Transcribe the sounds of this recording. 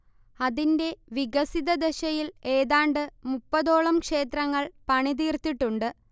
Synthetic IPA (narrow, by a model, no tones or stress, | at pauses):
ɐðinde̞ʋiɡɐsiðɐd̪eɕɐjile̞ːðaːɳɖɨmupːɐðo̞ːɭɐmkʂe̞ːt̪ɾɐŋːɐɭpɐɳiðiːrt̪ːiʈːuɳɖɨ